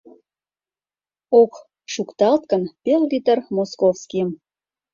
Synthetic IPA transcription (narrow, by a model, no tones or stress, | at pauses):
ok | ʃukt̪ɑlt̪̚kənpelɣit̪ərmoskofskijəm